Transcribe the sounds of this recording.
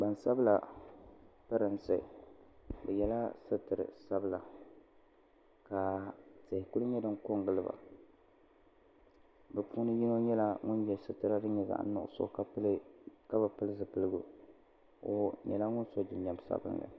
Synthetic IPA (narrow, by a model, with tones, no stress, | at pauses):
ba˨nsa˦bɨ˦la˨ | pɨ˦ɾɨ˨nsɨ̰˨ | bɛ˨jɛ˦la˦sɨ˦tɨ˨ɾɨ̰˨sa˦bɨ˦la˨ | ka˨tɪ˨hɪ˨kʊ˦lʊ˦ɲɛ˦dɨ˦ŋko˦ŋɡɨ˦lɨ˦ba̰˨ | bɛ˨puː˦nɨ˦ji˦no˦ɲɛ˦la˦ŋʊ˦njɛ˨sɨ˦tɨ˦ɾa˦dɨ˦ɲɛ˨za̰˨ʔ̩˦nʊ̰˦ʔʊ̰˦˨sʊ̰˦ʔkka˦bɨ˨pɨ˦lɨ˦zɨ˨pɨ˦lɨ˦ɡʊ˦ | o˨ɲɛ̰˨la˦ŋʊ˦nso˦d͡ʒɪ˨ɲɛ˨m˦sa̰˦bɨ̰˦ŋɡa̰˨